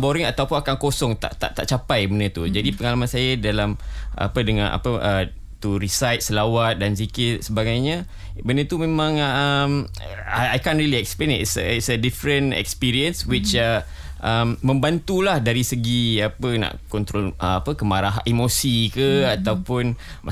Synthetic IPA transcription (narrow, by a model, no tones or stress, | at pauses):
boɾəŋat̪awpʊnakankosɔŋt̪a̰ʔt̪a̰ʔt̪a̰ʔt͡ʃapajbənət̪ud͡ʒadipəŋalamãnsajadalamʔa̰pədəŋã̰nʔa̰pəə | t̪uɾisajt̪̚səlawat̪̚dans̬ikɪt̪̚səbaɡajɲa | bənət̪umẽmãŋəm | aajkãnɾiliɛksplentsəitsədifɾənɛ̰kspiɾiənswit͡ʃə | ʔəmːə̃mbant̪ulahdaɾisəɡiapəna̰ʔkɔnt̪ɾɔlʔəapəkəmaɾaɦimosikəat̪awpʊn